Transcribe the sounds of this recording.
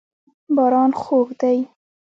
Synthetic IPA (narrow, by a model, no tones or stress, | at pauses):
bɑɾɑnxoɣd̪aj